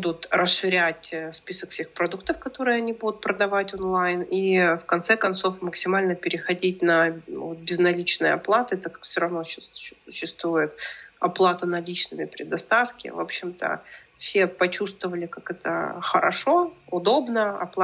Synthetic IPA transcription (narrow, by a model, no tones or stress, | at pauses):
ud̪ʊt̪ɾəsʂɨɾʲætʲspʲisəkfsʲe̞xpɾɐd̪uk̚t̪əfkɐt̪o̞ɾɨjəɐnʲibud̪ʊt̪̚pɾəd̪ɐvatʲonlˠajnifkɐnt̪sɛkɐnt̪so̞fməksʲɪmalʲnəpʲɪɾʲɪxɐdʲitʲnɐvot̪̚bʲɪznɐlʲit͡ɕnɨjə̰ɐ̰plˠat̪ɨɛt̪əkḁkfsʲoɾɐvnoɕassʊɕːɪst̪vujɪt̪ɐplˠat̪ənɐlʲit͡ɕnɨmʲɪpɾʲɪd̪ɐst̪afkʲɪ̰vo̞̰pɕːɪmt̪ə̰ | fsʲe̞pɐt͡ɕust̪vəvəlʲɪkakɛt̪ə̰xəɾʔɐ̰ʂo̞ʊd̪o̞bnəɐ̰plˠ